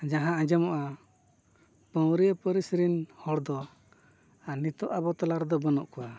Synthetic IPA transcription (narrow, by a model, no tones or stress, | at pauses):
d͡ʒaɦããd͡ʒɛmɔʔa | pə̃wɾiəpəɾisɾinhɔɽd̪ɔ | anit̪ɔʔabɔt̪ɔlaɾd̪ɔbənɔʔkɔwa